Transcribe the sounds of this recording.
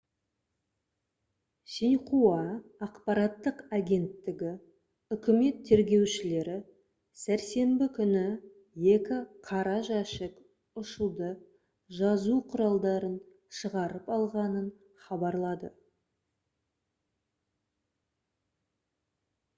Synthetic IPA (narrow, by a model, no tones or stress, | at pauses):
sejqʰuɑːqpɑɾɑt̪ːəqaɡʲe̞nt̪ːɪɡʲɪ | ʏkʲɪme̞t̪ʰːe̞ɾɡʲe̞wʃɪle̞ɾɪ | sæɾse̞mbɪkʲʰʏnɪ | je̞kʲɪqʰɑɾɑʒɑʃɪk | ʊʃəlˠd̪ə | ʒɑzuqʰʊɾɑlˠd̪ɑɾən | ʃəʁɑɾəpɑlˠʁɑnən | χɑbɑɾlˠɑd̪ə̰